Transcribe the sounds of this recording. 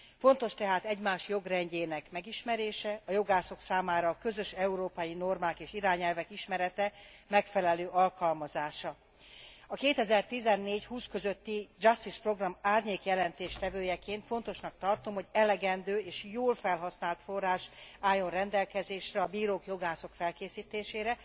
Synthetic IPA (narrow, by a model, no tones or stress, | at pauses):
fo̞nt̪o̞ʃt̪ɛɦaːt̪ɛɟmaːʃjo̞ɡrɛɲɟeːnɛkmɛɡiʃmɛɾeːʃɛɒjo̞ɡaːso̞ksaːmaːɾɒːkø̞zø̞ʃɛuɾoːpɒjino̞rmaːkeːʃiɾaːɲɛlvɛkiʃmɛɾɛt̪ɛmɛkfɛlɛløːʔɒlkɒlmɒzaːʃɒ | ɒkeːt̪ɛzɛrt̪izɛnːeːɟhuːskøzø̞t̪ːid͡ʒɒst̪ispro̞ɡrɒmaːrɲeːkjɛlɛnt̪eːʃt̪ɛvøːjɛkeːnt̪fo̞n̪t̪o̞ʃnɒk̚t̪ɒrt̪omho̞ɟɛlɛɡɛnd̪øːeːʃjoːlfɛlɦɒsnaːlt̪fo̞rːaːʃaːjːo̞nrɛnd̪ɛlkɛzeːʃrɛɒbiːɾoːkjo̞ɡaːso̞kfɛlkeːsiːt̪eːʃeːɾɛ